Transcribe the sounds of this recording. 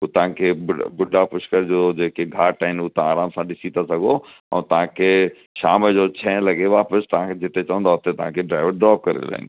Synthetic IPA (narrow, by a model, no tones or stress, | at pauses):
ut̪ɐɦãkʰebʊbʊɖːapʊʃkəɾd͡ʑod͡ʑeːkeɡʱaːʈaːɪnuːt̪ɐ̃aːɾaːmsãɗɪsit̪asɐɡʱo | ə̰̃t̪ɐɦãkʰe | ʃaːməd͡ʑot͡ɕʰɛ̃ːlɐɡeʋaːpəst̪ɐãked͡ʑɪt̪et͡ʃɐə̃nd̪aʊt̪et̪ɐɦãkʰeɖɾaːɪʋəɾɖɾɔːp̚kɐɾḛd̪̰la̰ːɦɪ̰nɪ